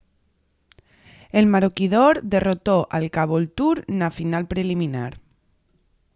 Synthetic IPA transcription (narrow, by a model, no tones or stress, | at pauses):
elmaɾokiðoɾðerot̪oʔalkaβ̞oelt̪uɾnafinalpɾelimĩnaɾ